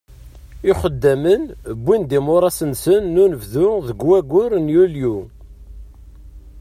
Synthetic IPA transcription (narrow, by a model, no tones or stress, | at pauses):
ɪχəd̪ːæmənbːind̪imʊɾˤɑsənsənːunəvðʊðəɡwæɡʊɾnjulju